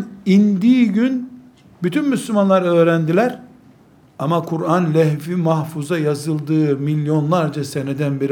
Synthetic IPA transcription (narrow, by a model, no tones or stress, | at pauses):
ind̪iːɟyn | byt̪ʰynmyslʲumanlˠaɾø̞ːɾænd̪ilʲæɾ | amakʰuɾanlʲɛɦfimahfuzajazɯlˠd̪ɯːmilʲːjo̞nlˠaɾd͡ʒasenɛd̪ænbiɾ